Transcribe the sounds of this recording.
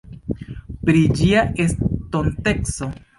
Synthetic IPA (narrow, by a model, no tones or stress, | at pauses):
pɾid͡ʒiaestonte̞kso̞